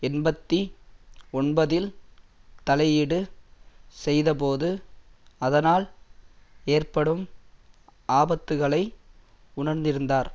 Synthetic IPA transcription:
ɛnbɐt̪ːi | ɔnbɐðɪl | t̪ɐlɐjɪɽɯ | sɛjðɐp̬oːðɯ | ɐðɐnaːl | eːrpɐɽɯm | aːbɐt̪ːɯɣɐɭɐɪ | ʊɳɐɾnd̪ɪɾɯnd̪aːɾ

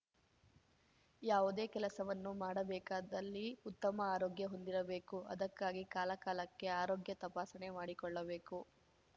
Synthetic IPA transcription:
jaːʋud̪e̞ːkɛlɐsɐʋɐnːumaːɽɐbɛːkaːd̪ɐlːiut̪ːɐmɐaːɾoːɡjɐɦo̞nd̪iɾɐbe̞ːkuɐ̰d̪ɐkːaːɡikaːlɐkaːlɐkːe̞aːɾo̞ːɡjɐt̪ɐpaːsɐne̞maːɽikɔɭːɐbe̞ːku

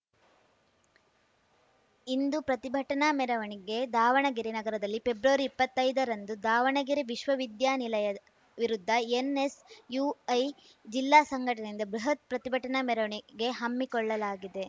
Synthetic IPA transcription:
ind̪upɾɐt̪ibʱɐʈɐnamɛɾɐʋɐɳiɡe̞d̪aːʋɐɳɐɡiɾinɐɡɐɾɐd̪ɐlːipe̞bɾuʋɐɾiːpːɐt̪ːɐjd̪ɐɾɐnd̪ud̪aːʋɐɳɐɡiɾiʋiʃʋɐʋid̪jaːnilɐjɐ | ʋiɾud̪ʱːɐenesjuːɐj | d͡ʒilːaːsɐŋɡʱɐʈɐnind̪ɐbɾuɦɐt̪̚pɾɐt̪ibʱɐʈɐnamɛɾɐʋɐɳiɡe̞ɦɐmːikɔɭːɐlaːɡid̪e̞

